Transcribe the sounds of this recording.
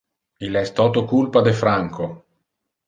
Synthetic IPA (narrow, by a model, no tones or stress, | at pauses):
ilɛst̪ɔːt̪okulpad̪efɾaŋko